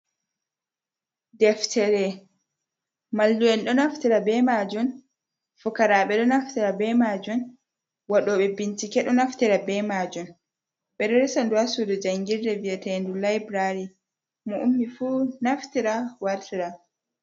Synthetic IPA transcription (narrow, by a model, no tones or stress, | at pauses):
dɛftʰɛɾɛ | malːuwɛnɗɔnaftiɾabɛmad͡ʒun | fukaɾaɓɛɗɔnaftiɾabɛmad͡ʒun | waɗɔɓɛbintikɛɗɔnaftiɾabɛmad͡ʒun | ɓɛɾɛɾɛsanduhasudɔd͡ʒaŋɡiɾdɛviatɛndulajbɾaɾi | muʔumːifunaftiɾawaɾtiɾa